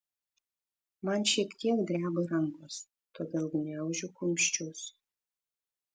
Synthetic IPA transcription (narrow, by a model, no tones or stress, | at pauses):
mɑnʃʲiɛkt̪ʲʰiɛkd̪ʲɾʲæːbɐɾɐŋɡos | t̪oːd̪ʲeːlˠɡnʲæʊʒʲʊkʊmʲʃʲt͡ʃʲus